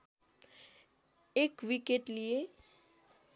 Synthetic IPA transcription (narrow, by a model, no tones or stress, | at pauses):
ekʋikeʈlije